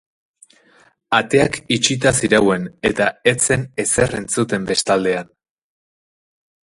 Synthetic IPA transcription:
at̪e̞akit͡ʃit̪asiɾawe̞ne̞t̪ae̞t͡se̞ne̞se̞re̞nt͡sut̪e̞mbe̞st̪ald̪e̞an

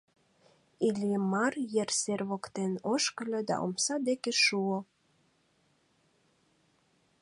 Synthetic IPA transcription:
ilʲjəmɑrjerserβokt̪enoʃkəlʲɤ̆d̪ɑ̰ʔo̰msɑd̪ekeʃuo

